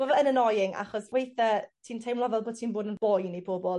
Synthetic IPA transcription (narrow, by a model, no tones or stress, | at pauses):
b̥ɔvɛənənɔjɪŋʔa̰χɔswejθətʰiːntʰejmlˠɔvɛlˠboːd̚tʰiːnboːdənbɔjnejpʰobɔlˠ